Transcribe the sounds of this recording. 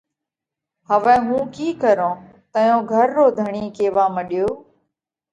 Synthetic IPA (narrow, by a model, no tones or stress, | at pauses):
həʋɛ̃ːɦũːkiːkəɾõː | t̪əjõːɡʱəɾːoːd̪ʱəɳiːkeːʋaːməɗɪjoː